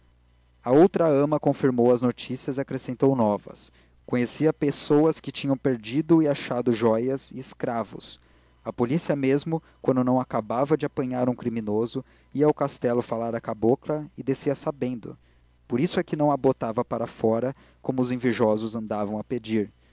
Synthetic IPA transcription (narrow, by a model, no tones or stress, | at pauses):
ɐowt̪ɾɐɐ̃mɐkõfiɾmowɐznot͡ʃisiɐzɪiakɾesẽnt̪ownɔvɐ̰s | kõɲesiɐpesowɐskɪt͡ʃĩɲɐ̃w̃peɾd͡ʒid̪ʊɪaʃad̪ʊʒɔjɐzɪɪskɾavʊ̰s | ɐpolisiɐmezmʊkwɐ̃nd̪ʊnɐ̃w̃akabavɐd͡ʒɪapɐ̃ɲaɾũkɾimĩnozʊ | iɐaʊkast̪ɛlʊfalaɾɐkaboklɐɪd̪esiɐsabẽnd̪ʊ̰ | poɾisʊɛkɪnɐ̃w̃abot̪avɐpaɾɐfɔɾɐ | kõmʊʊzẽveʒɔzʊzɐ̃nd̪avɐ̃w̃ɐped͡ʒiɾ